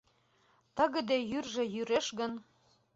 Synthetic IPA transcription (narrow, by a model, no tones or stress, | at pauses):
t̪ə̆ɣə̆d̪ejyrʒĕjyɾeʃɣə̆n